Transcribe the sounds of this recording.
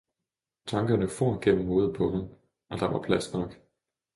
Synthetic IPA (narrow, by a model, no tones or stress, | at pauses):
t͡sʰɑ̈ŋɡ̥ɐnəfo̝ɐ̰ɡ̥en̰m̩ho̝ːð̩ˠpʰɒ̽ɦɑm | ʔɒ̽d̥ɑ̈ʋɑ̈pʰlæsnɒ̽ɡ̥